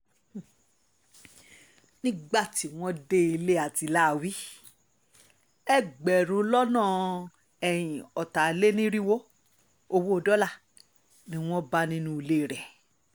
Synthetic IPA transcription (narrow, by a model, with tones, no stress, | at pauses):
nĩ˦ɡ͡ba˦˨ti˨˦w̃ɔ̃˦de˦i˧le˦a˨ti˨˧la˦˨wi˦ | ɛ˦ɡ͡bɛ˨ɾ̃ũ˨˦lɔ˦nãː˦˨ | ɛ˨j̃ĩ˨ɔ˨ta˨le˦nĩ˦ɾĩ˦wo˦ | o˧wo˦o˧dɔ˦la˦˨ | nĩ˦w̃ɔ̃˦ba˦nĩ˦nũ˦i˧le˦˨ɾɛ˨